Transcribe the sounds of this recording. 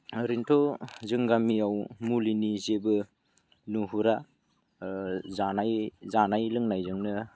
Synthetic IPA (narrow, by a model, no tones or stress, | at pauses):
ɾintʰozɯŋɡamiawmulinizebɯ | nuɦuɾa | zanajzanajlɯŋnajzɯŋnɯ